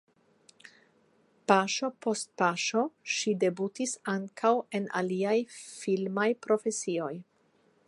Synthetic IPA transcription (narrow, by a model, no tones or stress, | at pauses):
paʃo̞po̞st̚paʃo̞ʃide̞butisaŋkʰawe̞nʔa̰liajfilmajpɾo̞fe̞sio̞j